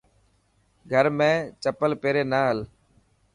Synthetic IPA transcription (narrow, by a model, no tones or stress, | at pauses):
ɡʱəɾmẽːt͡ʃəpəlpeːɾeːnaːɦəl